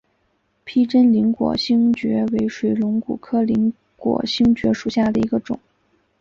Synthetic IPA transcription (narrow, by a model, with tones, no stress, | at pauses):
pʰi˥ʈ͡ʂə˥nli˧˥ŋkwɔ̰˨˩ɕi˥ŋt͡ɕɥɛ˧˥we˧˥ɪʂwe˧˥ɪlʊ˧˥ŋku˨˩kʰɤ˥li˧˥ŋ | kwɔ̰˨˩ɕi˥ŋt͡ɕɥɛ˧˥ʂu˨˩ɕja˥˩d̪ə˩i˧˥ɡə˧ʈ͡ʂʊ̰˨˩˦